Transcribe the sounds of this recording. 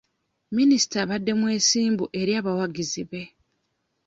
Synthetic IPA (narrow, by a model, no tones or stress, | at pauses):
minisi̥taβadːe̞mwe̞ːsiːmbuʔe̞ɾjaːβawaɡiziβe̞